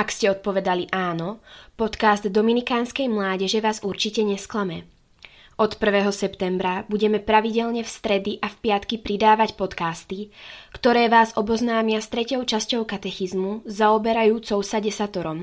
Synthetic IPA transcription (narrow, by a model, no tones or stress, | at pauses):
akscɛɔt̪̚pɔʋɛd̪aliʔaːnɔpɔt̪kazd̪d̪ɔminikaːnskɛjmlaːɟɛʒɛʋaːzuɾt͡ʃicɛɲɛsklamɛ | ɔt̪pr̩ʋɛːɦɔsɛpt̪ɛmbɾabuɟɛmɛpɾaʋiɟɛlɲɛfst̪ɾɛd̪iʔafpɪat̪kipɾid̪aːʋacpɔt̪kaːst̪ikt̪ɔɾɛːʋaːzɔbɔznaːmɪast̪ɾɛcɔʊt͡ʃascɔʊkat̪ɛxizmuzaɔbɛɾajuːt͡sɔʊsaɟɛsat̪ɔɾɔm